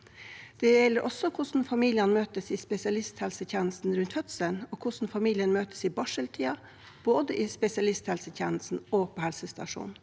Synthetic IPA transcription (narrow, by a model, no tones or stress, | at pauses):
d̪̥ɛjɛlːəɾʔɔsɔkʰʊʂn̩fɑmiːlɪɑnmøːt̪əsiːspɛsɪɑlɪst̪hɛlsəçɛnəst̪n̩ɾʉnt̪hœt̪sənoːkʰʊʂn̩fɑmiːlɪənmøːt̪ə̥siːbɑʂəlt̪ʰiːɑ | b̥oːd̪əʔiːspɛsɪɑlɪst̪hɛlsəçɛːnlsn̩oːpʰoːhɛlsəst̪ɑ̰ʂṵːn